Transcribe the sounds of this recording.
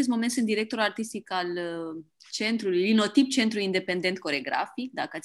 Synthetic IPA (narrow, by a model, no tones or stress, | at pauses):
est̪mo̞ment̪sɨnd̪iɾe̞k̚t̪o̞ɾulart̪ist̪ikal | t͡ʃe̞nt̪ɾulujlino̞t̪ip̚t͡ʃe̞nt̪ɾuind̪e̞pe̞nd̪e̞nt̪̚ko̞ɾe̞ɡɾa̰fik̚d̪a̰kəat̪s